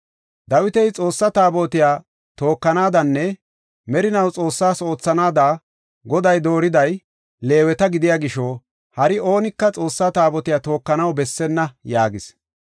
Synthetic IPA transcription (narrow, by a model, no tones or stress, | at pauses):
d̪ɐwɪt̪ɛjt͡sʼo̞ːsːɐt̪aːboːt̪ɪjaː | t̪o̞ːkːɐnaːd̪ɐnːɛ | mɛɾɪnɐwt͡sʼo̞ːsːaːso̞ːt͡sːɐnaːd̪aː | ɡɔd̪ɐjd̪o̞ːɾɪd̪ɐj | le̞ːwɛt̪ɐɡɪd̪ɪjaːɡɪʃoː | hɐɾɪo̞ːnɪkːɐt͡sʼo̞ːsːat̪aːbɔt̪ɪjaːt̪o̞ːkːɐnɐwbɛsːɛnːɐjaːɡɪs